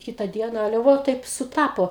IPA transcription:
ˈkʲɪtɐ ˈdʲiɛnɐ ˈɑːlʲɛ ˈʋoː ˈtɐɪp sʊˈtɑːpoː

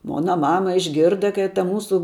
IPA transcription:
ˈmoːnɐ ˈmɑːmɐ ɪʒʲˈɡʲɪrdɐ kɐɪ tɐ ˈmuːsʊ

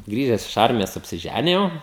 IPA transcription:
ˈɡrʲiːʒʲɛs ɪʃ ˈɐrʲmʲɪjoːs ɐpʲsʲɪˈʒʲænʲɪjɛʊ

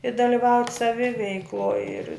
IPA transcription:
ɪ dɐlʲɪˈʋɐʊtʲ sɐˈʋʲɪʋʲɛɪklˠoːj ɪr

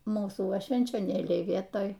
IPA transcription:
ˈmuːsuː ˈʋɐ ʃʲʋʲɛnʲt͡ʃʲoːˈnʲeːlʲɛɪ ˈʋʲiɛtoːj

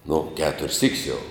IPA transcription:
nʊ ˈkʲæːtʊrʲsʲ sʲiːkʲsʲ jɛʊ

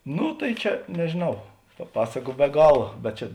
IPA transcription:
ˈnʊ tɐɪ ˈt͡ʃʲɛ nʲɛʒʲeːˈnɐʊ pɐ ˈpɑːsɐkʊ bʲɛ ˈɡɑːlˠɐ bʲɛt ˈt͡ʃʲɛ

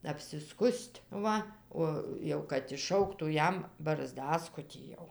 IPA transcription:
ɐpʲsʲɪˈskʊsʲtʲ ˈʋɐ ˈoː jɛʊ kɐt ɪʃˈʃɐʊktuː ˈjɛm bɐrˈzdɑːskʊtʲiː jɛʊ

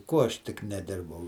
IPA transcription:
ˈkuɔ ˈɐʃ ˈtʲɪk nʲɛˈdʲɪrbɐʊ

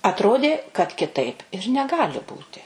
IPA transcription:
ɐtˈroːdʲeː kɐt kʲɪˈtɐɪp ɪr nʲɛˈɡɑːlʲɪ ˈbuːtʲɪ

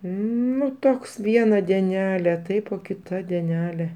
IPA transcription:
ˈnʊ ˈtoːks ˈʋʲiɛnɐ dʲiɛˈnʲæːlʲeː ˈtɐɪp oː kʲɪˈtɐ dʲiɛˈnʲæːlʲeː

